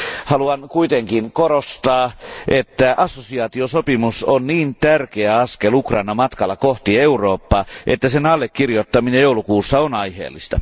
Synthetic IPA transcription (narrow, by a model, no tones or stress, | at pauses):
hɑluɑnkuit̪eŋkinkoɾost̪ɑːʔet̪ːæʔɑsːosiɑːt̪iosopimusonniːnt̪ærkeæɑskelukrɑinɑmɑt̪kɑlːɑkoht̪ieuroːpːɑːʔḛt̪ːæsenɑlːekːirjot̪ːɑminejjoulukuːsːɑonɑjhḛːlːist̪ɑ